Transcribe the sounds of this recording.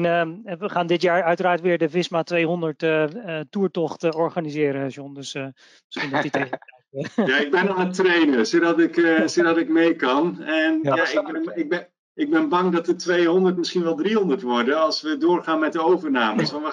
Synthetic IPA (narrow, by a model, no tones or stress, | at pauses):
nəʋəχaːndɪtjaːɹœɥtəɾaːɹtʋɪːɹdəvɪsmatʋejɦɔndəɹtətuːɹtɔχtɔɹχaːnizɪːɾənʃjɔndɵs | məsχindɔtitetɛjjaɪɡ̚bɛnanətrejnəsodɑtɪksodɑtɪkmejkɑnɛnjaɪbnɪɡ̚bɛ | ɪɡ̚bɛnbɑŋdɑtətʋejɦɔndərtməsχinʋɛlˠdriɦɔndərtʋɔɹdənɑlˠsʋədʊːɹχaːnmɛt̚dəowvəɹnaːməsɔnə